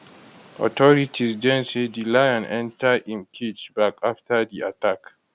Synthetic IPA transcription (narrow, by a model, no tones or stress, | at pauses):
ʔɔ̰tɔɾitʰisdɛnsedilajanʔɛntaʔɪ̃nkʰit͡ʃbakʔaftadiʔatak